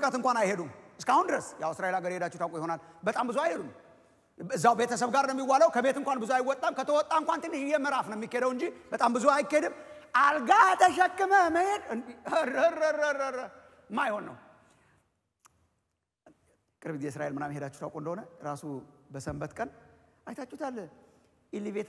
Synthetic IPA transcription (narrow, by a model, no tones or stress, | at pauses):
ɨkʼət̪ɨŋkʷanajhed̪umɨskahund̪ɨɾəsjawɨsɾaʔe̞laɡəɾhe̞d̪at͡ʃːɛht̪ʰawkʼujho̞nalbət̪ʼambɨzuajhed̪um | ɨzːawbe̞t̪ʰəs̬əβɡaɾnəmːiwːaləwkʰəbe̞t̪ɨŋkʷanbɨzuajwːɔt̪ʼːamkʰət̪ʰəwɔt̪ʼːaɨŋkʷant̪ʰɨnːjɛməɾafnəmːikːeed̪əwɨɲd͡ʒibət̪ʼambɨzuajɪkːahed̪ɨmʔalɡat̪ʰəʃɛkʼːɨməməhed̪ | ərəɾəɾəɾə | mːajho̞nːə̰w | kʼɨɾβit̪jɛs̬ɾa̰ʔe̞lmɨnamːihe̞d̪at͡ʃːɛ̥ht̪a̰wkʼond̪əhonəɾasubəsəmbət̪kʼənajt̪ʰat͡ʃːut̪ʰalː | ilːiβet̪